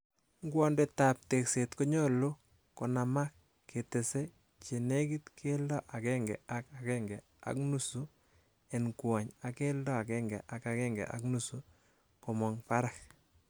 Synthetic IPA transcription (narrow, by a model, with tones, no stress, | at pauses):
ŋɡwɔ˦nde˨ta˨p̚te˨kse˨tko˦ɲɔ˦lo˦ | ko˨na˨ma˦kː | e˨te˨se˦ | t͡ʃe˨ne˦ki˦tkʰe˦ldɔ˦ʔa˨kɛ˦ŋɡɛ̰˨a˦ka˨kɛ˦ŋɡɛ˨ | a̰˨˦knu˦su˦ | e˨nkwa˨ɲa˨ke˦ldɔ˦a˨kɛ˦ŋɡɛ˨ʔa˨ka˨kɛ˦ŋɡɛ̰˨ʔa̰˨knu˦su˦ | ko˨mɔ˨ŋpa˦ɾak